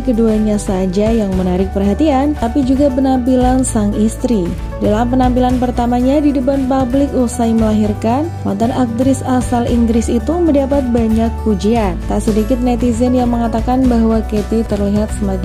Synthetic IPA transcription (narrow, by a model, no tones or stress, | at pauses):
kəduaɲasad͡ʒajaŋmənaɾɪk̚pərɦat̪iant̪apid͡ʒuɡapənampilansaŋist̪ɾi | dalampənampilanpərt̪amaɲadidəbanpablɪkusaiməlaɦirkan | ma̰nt̪anak̚t̪əɾɪsasaliŋɡɾɪsit̪uməndapat̪̚baɲak̚ːud͡ʒiant̪asədikɪt̪̚nɛt̪izɛnjaŋməŋat̪akanbaɦwaket̪et̪ərliɦat̪səmad͡ʒ